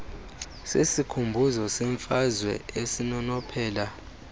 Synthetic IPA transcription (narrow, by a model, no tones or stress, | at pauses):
sesikʰumbʱuzɔsɛɱfazwɛ̰esinɔnɔpʰɛːla